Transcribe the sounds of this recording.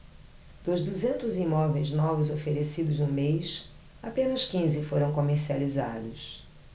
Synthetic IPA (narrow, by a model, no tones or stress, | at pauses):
d̪̥ʊzd̪uzẽnt̪ʊzimɔvejznɔvʊzofeɾesid̪ʊznũmejs | apẽnɐskĩzɪfoɾɐ̃w̃komeɾsializa̰d̪ʊs